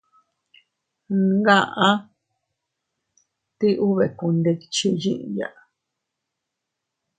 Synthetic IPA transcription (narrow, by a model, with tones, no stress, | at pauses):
ŋɡã˦˧ʔã˦ | t̪i˦ʔu˦βe˨ku˧nd̪e˧ki̥˧t͡ʃi˧jĩ˦ʔja̰˨ʔa˨˧